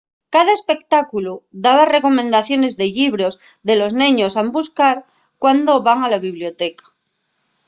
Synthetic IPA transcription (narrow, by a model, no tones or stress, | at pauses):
kaðaespe̞kt̪akuluðaβareko̞mẽnd̪aθjo̞ne̞zðeʎiβ̞ɾo̞zðelo̞znẽɲosambuskaɾ | kwand̪o̞βaŋalaβiβljo̞t̪ekḁ